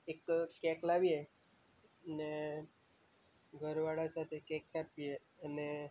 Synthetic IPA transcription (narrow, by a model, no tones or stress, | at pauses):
ekkɛklaʋije | ne | ɡʱəɾʋaɽasat̪ʰekɛkːapije | ane